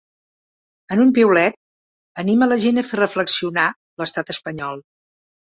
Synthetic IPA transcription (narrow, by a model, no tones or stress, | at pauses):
ənumpiwlɛt̪̚ | ənimələʒenəferəfləksiuna | ləst̪at̪əspəɲɔlˠ